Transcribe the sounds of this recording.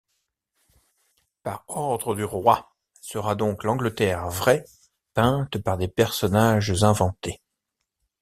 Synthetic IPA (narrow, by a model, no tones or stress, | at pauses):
pa̰ʁɔʁd̪ʁəd̪yʁwa | səʁad̪ɔ̃klɑ̃ɡlət̪ɛʁvʁɛ | pɛ̃t̪paʁd̪epɛʁsɔnaʒzɛ̃vɑ̃t̪e